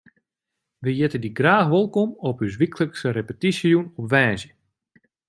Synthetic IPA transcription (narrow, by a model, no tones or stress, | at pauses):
ʋəjɪtədiɡraːxʋolˠkomɔpys̬ʋikləksərepətisjunɔpʋɛːzjə